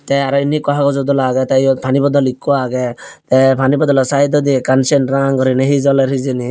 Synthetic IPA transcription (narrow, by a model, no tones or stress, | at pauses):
t̪ɛaɾɔinikɔɦakɔzɔd̪ɔlaɡɛt̪ajɔpʰanibɔd̪ɔlikːɔaɡɛt̪ɛpʰanibɔd̪ɔlɔsajd̪ɔd̪ikansenʈɾaŋɡɔɾineɦizɔlɛɾizini